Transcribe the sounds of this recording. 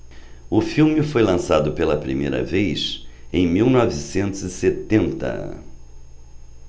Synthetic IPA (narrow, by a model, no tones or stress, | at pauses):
ʊfiwmɪfojlɐ̃sad̪ʊpelɐpɾimḛjɾɐ̰vejsẽj̃miwnɔvisẽnt̪ʊzɪset̪ẽnt̪ɐ̰